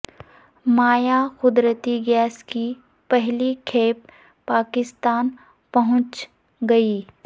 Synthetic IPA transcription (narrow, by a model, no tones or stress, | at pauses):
maːjaxʊd̪ɾət̪iɡɛːski | pɛɦlikʰeːp̚ː | aːkɪst̪aːn | pɐɦʊ̃t͡ʃ | ɡɐiː